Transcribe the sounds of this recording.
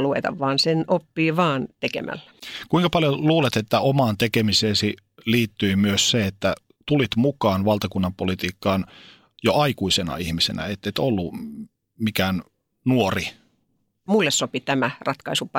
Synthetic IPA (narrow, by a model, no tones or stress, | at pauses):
luʋḛt̪ɑ̰ʋʋɑːnsenopːiːʋɑːnt̪ekḛmʔæ̰lːæ̥kuiŋkɑpɑljoluːlet̪et̪ːæomɑːnt̪ekemiseːsi | liːt̪ːyimyøsseet̪ːæ | t̪ulit̪mukɑːnʋɑlt̪ɑkunːɑmpolit̪iːkːɑːn | joʔɑikuisenɑ̰ihmisḛnæ̰et̪ːet̪olːu | mikæːn | nuori | mulːessopit̪æmærɑt̪kɑisupɑ